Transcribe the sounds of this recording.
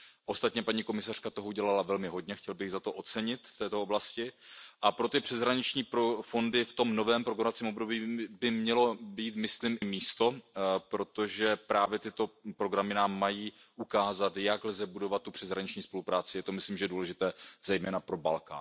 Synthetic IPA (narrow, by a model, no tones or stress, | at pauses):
ʔo̞st̪at̪ɲɛpaɲiko̞mɪsar̥kat̪oɦouɟɛlalavɛlmɪɦo̞dɲɛxcɛlbɪɣzat̪oʔo̞t͡sɛɲɪt̪ft̪ɛːt̪o̞oblascɪʔapɾo̞t̪ɪpr̝̥ɛzɦɾaɲɪt͡ʃɲiːpɾofo̞ndɪft̪o̞mno̞vɛːmpɾoɡɾamat͡siːmobdo̞biːbɪmɲɛlo̞biːt̪mɪslimɪmiːst̪o̞pɾo̞t̪o̞ʒɛpɾaːvjɛt̪ɪt̪o̞pɾo̞ɡɾamɪnaːmːajiːʔukaːzat̪jaɡlzɛbudo̞vat̪ːupr̥ɛzɦɾaɲɪt͡ʃɲiːspo̞lupɾaːt͡sɪjɛt̪o̞mɪsliːmʒɛduːlɛʒɪt̪ɛːz̥ɛjmɛːnapɾo̞ba̰lka̰ː